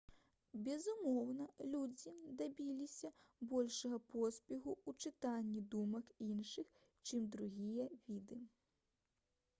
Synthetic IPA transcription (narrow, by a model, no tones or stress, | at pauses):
bʲɛzumɔwnɐlʲud͡zʲid̪abʲilʲisʲɐbɔlʲʂɐɣɐpɔsʲpʲiɣuut͡ʂɨt̪anʲːid̪umɐkinʂɨx | t͡ʃɨmd̪ɾuɣʲijɐvʲid̪ɨ